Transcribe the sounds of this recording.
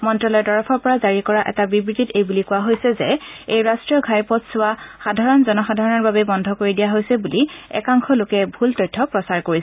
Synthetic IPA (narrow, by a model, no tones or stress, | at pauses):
mɔntɹɔlɔɛtɔɹɔpʰɔɹpɔɹazaɹikɔɹaʔɛ̰tabibɹititejbulikʊwaɦojsɛzɛejɹastɹijɔɡʱajpɔtsʊwaxadʱaɹɔnzɔnɔxadʱaɹɔnɔɹbabɛbɔndʱɔkoɹidijaɦojsɛbuliɛ̰kaŋxʰɔlokɛbʱultɔjtʰːɔpɹɔsaɹkoɹisɛ